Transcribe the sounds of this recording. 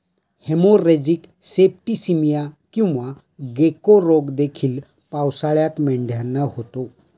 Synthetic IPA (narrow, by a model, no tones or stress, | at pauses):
hemoɾed͡ʑiksepʈisimijakĩw̃ʋa | ɡekoɾoɡd̪ekʰiːl | pawsaɭjat̪mɛɳɖʱjanːəhot̪o